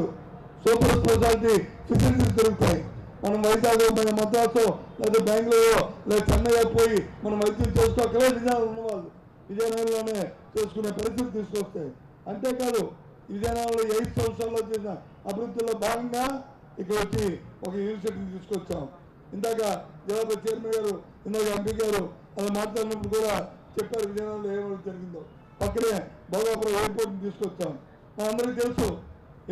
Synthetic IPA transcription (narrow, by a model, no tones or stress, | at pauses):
u | suːpɐɾspɐs̬aːɾiʈ̪isisɐns̬isd͡ʒ̪ɐɾuɡut̪aːji | mɐnɐmʋɐjd͡ʒaːɡloːmɐjɐmɐd̪aːt̪oleːt̪ɐːbjaːŋklɐloːlɛːd̪ɐt͡ʃɐnːɐjapoːjimɐnɐmʋɐjt̪ːult͡ʃe̞ːs̬ukɔːkːɐleʋid͡ʒɐjnaːunːɐʋaːlu | ʋid͡ʒɐjnaːjnɐlo̞ːne̞ːt͡ʃe̞ːsu̥kune̞ːpɐɾist̪it̪it̪̬iːsu̥kɔst̪aːji | ɐɳʈeːkaːd̪u | iʋid͡ʒ̪ɐjnaːlloːɐjpsɐmsaːlːo̞ːt͡ʃeːsinɐ | ɐbiɾud̪ːulːo̞ːbaːɡɐŋɡaː | ikːɐɽɐot͡ʃːiɔkɐjuːɐɾs̬iʈ̬iːnit̪̬iːsukɔt͡ʃːaːmu | ind̪aːkad͡ʒ̪ɛlaːpɐt͡ʃejɐɾmeɡaːɾu | ind̪aːkɐɐmpiɡaːɾu | ɐlɐnmaːʈlaːɽinɐp̬ːuɽukuːɽaːt͡ʃepːaːɾuʋid̪ʱaːnaːnloːeːʋɐɽd͡ʒɐɾiɡind̪o | pɐkːɐɾe | bʱɐːɡaːpɐɾɐeɾp̬oʈint̪̬iːsukɔt͡ʃːaːmu | mɐnɐmɐnd̪ɐɾikit̪̬elusu